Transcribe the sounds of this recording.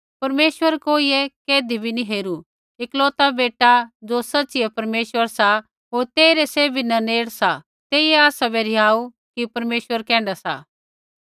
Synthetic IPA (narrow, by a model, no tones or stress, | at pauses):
pɐɾmeːʃʋəɾkoːiɛkeːd̪ibʱiniɦeːɾu | ɪkloːt̪abeːʈad͡zosɐtːsiɛpɐɾmeːʃwəɾsa | ɦoːɾt̪eːɾɛseːbʱinɐneːɽsa | t̪eːiɛaːsabɛɾiaːu | kipɐɾmeːʃwəɾkɛ̃ːɳɖasa̰